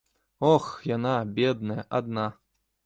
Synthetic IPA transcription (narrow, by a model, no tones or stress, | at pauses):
ɔxjanabʲɛd̪̚nɐjɐʔad̪na